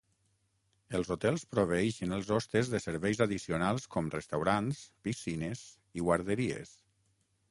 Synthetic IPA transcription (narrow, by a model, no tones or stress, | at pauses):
əlˠzot̪ɛlˠspɾoβ̞əɛʃənəlˠzɔst̪əzðəsəɾβɛjzaðisiunalˠskɔmrəst̪awɾanspisinəz | iɣwaɾðəɾiḛs